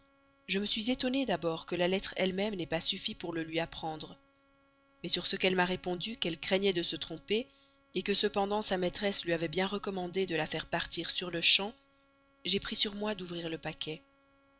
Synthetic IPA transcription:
ʒəməsɥizet̪ɔned̪abɔʁkəlalɛt̪χɛlmɛmnɛpasyfipuʁləlɥiapχɑ̃d̪ʁə | mɛsyʁsəkɛlmaʁepɔ̃d̪ykɛlkχɛɲɛd̪əsət̪χɔ̃peː | kəsəpɑ̃d̪ɑ̃samɛt̪χɛslɥiavɛbjɛ̃ʁəkɔmɑ̃d̪ed̪əlafɛʁpaʁt̪iʁsyʁləʃɑ̃ | ʒepχisyʁmwad̪uvʁiʁləpakʰʲɛ

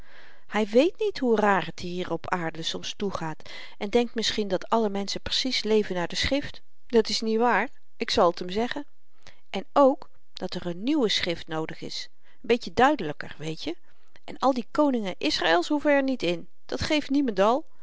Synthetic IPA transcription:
hɛjʋejtnitɦuraːrətiɦiːɹɔpʰaːɹdəsɔmstuχaːt | ʔɛndɛŋk̚tmɪsχindɑtʰɑləmɛnsəpr̥ə̥sislejvənːaːɹdəsχrɪft | d̥ɑtɪsnitʋaːɹ | ɪksɑlˠətʰəmzɛχən | ʔɛnowk | d̥ɑtərənːywəsχrɪftnowdəχɪ̰s | ənbejtədœɥdələkə̰rʋejtjə | ʔɛnɑlˠdikownɪŋəʔɪsraːɪlˠshɦuvəɛɹnitɪn | d̥ɑtχejftnimɑntɑlˠ

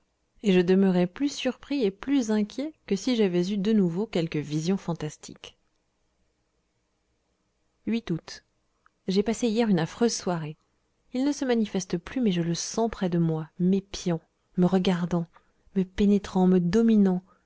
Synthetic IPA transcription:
eʒəd̪əməʁɛplysyʁpχieplyzɛ̃kʲjɛkəsiʒavɛzyd̪ənuvokʲɛlkəvizjɔ̃fɑ̃t̪ast̪ʰḭk | ɥit̪ut̪ | ʒepaseijɛʁynafχøzswaʁe | ilnəsəmanifɛst̪əplymɛʒələsɑ̃pχɛd̪əmwamepjɑ̃ | məʁəɡaʁd̪ɑ̃ | məpenet̪χɑ̃məd̪ɔminɑ̃

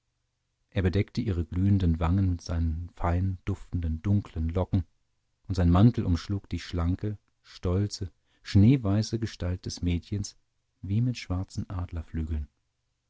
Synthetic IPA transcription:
ʔeːɐbədɛktəʔiːʁ̞əɡlyːəndənvaŋənmɪtz̥aɪnənfaɪnənd̥ʊftn̩dəndʊŋkʰlənlɔkŋ̩ | ʔʊntz̥aɪnmantl̩ʔʊmʃluːkd̥iːʃlaŋkə | ʃtɔlt͡sə | ʃneːvaɪsəɡəʃtalt̚d̥ɛsmeːtçəns | viːmɪtʃv̥aɐt͡sn̩ʔaːdlɐflyːɡl̩n

